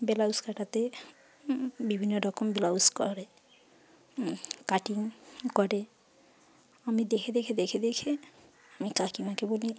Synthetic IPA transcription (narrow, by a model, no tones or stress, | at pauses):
belauskaʈat̪e | bibʱinːoɾɔkɔmbelauskɔɾe | kaʈiŋkɔɾe | amid̪ekʰed̪ekʰed̪ekʰed̪ekʰe | amikakimakeboli